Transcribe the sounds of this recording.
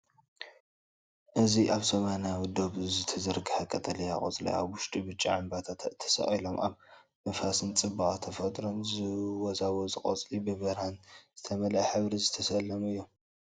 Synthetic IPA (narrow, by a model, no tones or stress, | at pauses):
ʔɨziʔaβsɐmanijawid̪o̞βzɨt̪ʰɐzɐɾɡʰɨħakʼɐt̪ʼɐlija̰χʼo̰t͡sʼlḭa̰βwʊʃt̪ʼibɨt͡ʃʼḭʕɨmbat̪ʰat̪t̪ʰːɐ̥sɐ̰χʼilomʔa̰β | mɐfasɨnt͡sʼɨbaʔʼat̪ʰɐfɐt̪ʼɾonzɨwɔzawozɨkʼɐ̰t͡sʼlibɨβɐɾanz̥ɨt̪ʰɐmɐlɐħɨβɾizɨt̪ʰɐsɐlːɐmuɨjːom